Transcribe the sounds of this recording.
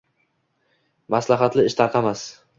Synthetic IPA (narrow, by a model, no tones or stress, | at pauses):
maslaɦat̪lɪɪʃt̪ʰɑɾqʰɑmas